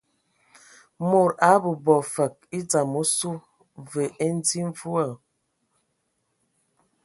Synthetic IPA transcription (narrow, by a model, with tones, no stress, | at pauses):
mo˨ɾa˨˦bə˨bɔ˨fə˨k̚i˦d͡za˨mo˦su˦ | və˨e˦n˦d͡zi˦ɱ˦vu˦a˨